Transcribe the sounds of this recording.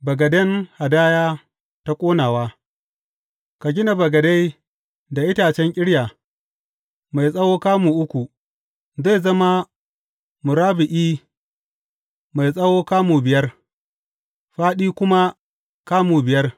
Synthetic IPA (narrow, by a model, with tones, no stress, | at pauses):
bɐ˨ɡɐ˨dɛ˦ŋha˨daː˦jaː˦ | ta˦kʷʼoː˦naː˨waː˦ | ka˨ɡʲɪ˦na˨bɐ˨ɡɐ˨da˦j | da˨ʔɪ˦taː˨t͡ʃɛ˦ŋkʲʼɪ˦ɽjaː˨ | ma˨jsʼɐ˦woː˦kaː˦muː˨ʔʊ˦kʷu˨ | za˦˨zɐ˦ma˦ | mʊ˨ɾaː˦bɪ˨ʔiː˦ | ma˨jsʼɐ˦woː˦kaː˦muː˨bɪ˨jɐ˦r | ɸaː˦ɗiː˦kʷʊ˦ma˦ | kaː˦muː˨bɪ˨jɐ˦r